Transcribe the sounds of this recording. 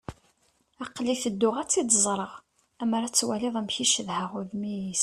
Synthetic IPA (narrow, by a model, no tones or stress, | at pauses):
æqːliθəd̪ːʊʁæt͡sːid̪əzˤɾˤəʁ | æmɾæt͡sːwæliðˤæmçiʃəðhəʁʊðmijis